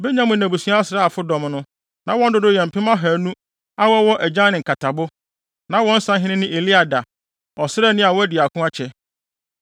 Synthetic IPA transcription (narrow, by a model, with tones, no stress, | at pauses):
be˦ɲã˦mʊ̃˨næ̃˨bu˨su˦a˦a˦sɾa˦a˨fʊ˦dɔ̃˨mnʊ̃˦ | nã˨˦wɔ̃˦n˦dʊ˦dʊ˦jɛ̃˨m̩˨pɪ̃˦mã˦ɦæː˨nũ˦ | a˦wɔ˦wɔ˦ʔæ˨d͡ʑã˦nɪ̃˨ŋ̩˨kʰa˨tʰa˨bʊ˦ | nã˨˦wɔ̃˦n̩˦sã˦ɦɪ̃˦nɪ̃˦nɪ̃˦ʔe˨li˦a˨da˨ | ɔ˨sɪ˦ɾɛ˦˨nɪ̃˦a˨wɔ˦æ˦dɪ˨a˨kʰʊ̃˦a˦t͡ɕʰɛ˦